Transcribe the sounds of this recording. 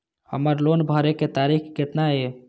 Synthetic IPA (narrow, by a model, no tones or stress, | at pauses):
hə̰məɾlonbʱəɾeket̪aɾikket̪nae